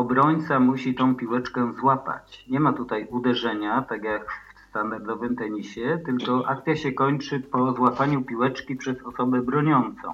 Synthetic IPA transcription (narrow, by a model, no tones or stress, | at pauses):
ɔbɾɔɲt̪samuɕit̪ɔ̃w̃pʲiwɛt͡ʂkɛzwapa̰t͡ɕɲɛmat̪ut̪ajud̪ɛʐɛɲat̪aɡjakfst̪and̪aɾd̪ɔvɘmt̪ɛɲiɕɛt̪ɘlkɔʔa̰k̚t̪sʲjaɕɛkɔɲt͡ʂɘpɔzwapaɲupʲiwɛt͡ʂkʲipʂɛzɔsɔbɛbɾɔɲɔnt̪sɔ̰̃w̃